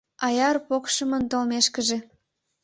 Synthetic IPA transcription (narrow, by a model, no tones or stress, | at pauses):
ɑjɑrpokʃəmənt̪olmeʃkəʒe